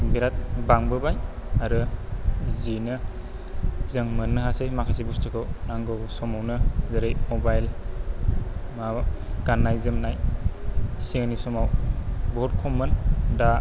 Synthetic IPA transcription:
ŋbiɾat̚baŋbɯbaj | aɾɯ | zinɯ | zɯŋmɯnːɯɦasɯjmakʰasibustʰɯkʰɯwnaŋɡɯwsɔmawnɯzɯɾejmɔbajl | maɡ̥anːajzɯmnaj | siŋnisɔmawbɔd̚kʰɔmɯnda

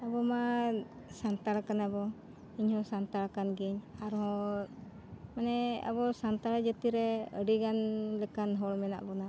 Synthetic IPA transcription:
abɔma | sant̪aɾakanabɔ | iɲhɔsant̪aɾakanɡɛɲaɾɔ | manɛa̰bɔsant̪aɾad͡ʒət̪iɾɛəɖiɡanlɛkanɦɔlmɛna̰ʔbɔna

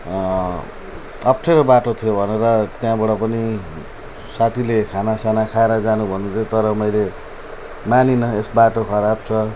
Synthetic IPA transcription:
ʌp̚ʈʰeɾobaʈot̪ʰijobʱʌneɾʌt̪jãbaɽʌpʌni | sat̪ʰilekʰanasanakʰaeɾʌd͡zanubʱʌnut̪ʰijot̪ʌɾʌmʌjle | maninʌesbaʈokʰʌɾab̚t͡sʰʌ

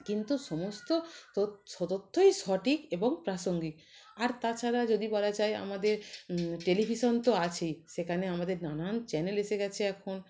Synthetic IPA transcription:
kint̪uʃɔmost̪ooʃɔt̪ot̪ʰːojʃɔʈikeboŋpɾaʃoŋɡi | aɾt̪at͡ɕʰaɾad͡ʑod̪ibɔɾad͡ʑaja̰mad̪eɾʈelibʱiʃont̪oat͡ɕʰejʃekʰaneamad̪eɾnanant͡ɕɛneleʃeɡɛt͡ɕʰeɛkʰon

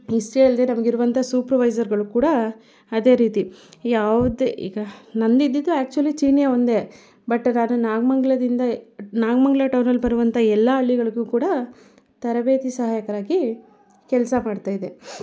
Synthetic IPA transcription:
isʈeɐld̪e̞nɐmɐɡiɾuʋɐnt̪ʰasuːpɾʋɐjzɐɾɡɐɭukuːɽɐ | ɐd̪e̞ːɾiːt̪ijaːʋud̪eḭːɡɐnɐnd̪id̪ːid̪ːuæːk̚t͡ʃuɐlit͡ʃiːnijaond̪e | bɐʈːnaːnunaːɡmɐŋɡɭɐd̪ind̪ɐnaːɡmɐŋɡɭɐʈɐwnɐlbɐɾuʋɐnt̪ʰɐɛlːɐɐɭːiɡɐɭuɡuːkuːɽɐ | t̪ɐɾɐbe̞ːt̪isɐɦaːjɐkɐɾaːɡi | kɛlsɐmaːɖt̪aːjid̪e

